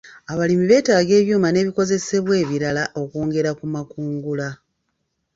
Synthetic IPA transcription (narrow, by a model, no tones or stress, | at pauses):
aβalimiβe̞ːtaːɡe̞ːβjuːmane̞ːβiko̞ze̞se̞βwe̞ːβiɾalaʔo̞koːŋɡe̞ɾakumakuːŋɡula